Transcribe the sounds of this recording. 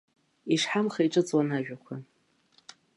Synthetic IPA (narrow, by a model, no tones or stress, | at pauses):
iʂħamχaiʈ͡ʂʼɨt͡sʼwanaʒᶣakʷʰa